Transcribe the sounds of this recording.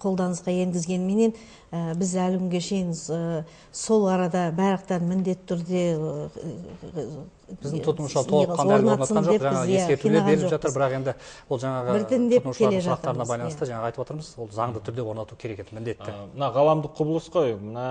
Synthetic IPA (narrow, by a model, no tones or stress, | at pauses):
qʰo̞lˠd̪ɑnəsqɑje̞ŋɡʲɪzɡʲe̞nme̞ne̞n | əbɪzælkʲʰʏŋɡʲe̞ʃe̞jɪnə | so̞lˠɑɾɑd̪ɑbæɾəq̚t̪ɑɾmɪnd̪e̞t̪ːɪʏɾd̪e̞ | bɪzd̪ɪŋt̪ʰʊt̪ənuʃlˠɑɾt̪ʰolˠəɑnoɾnot̪nɑt̪səmɑnʒoeʒɑɑʁəjeæskeɾt̪unleelʒɑt̪əɾbɪɾɑqe̞nd̪ɪwolˠʒɑɴɑʁəɪɾt̪ɪnd̪et̪ənuʃk̪ʰɑɾle̞ʒɑɑqtɾɑɾənɑbɑjlˠɑnt̪əʒɑɴɑʁɑjt̪əpwot̪əɾməzwo̞lˠzɑɴd̪ət̪ʰʏɾd̪ewo̞ɾnɑt̪ukʲʰe̞ɾe̞ked̪ɪmɪnd̪e̞t̪ːɪmənɑʁɑlˠɑmd̪əqʰʊbəlˠəsqojmənɑ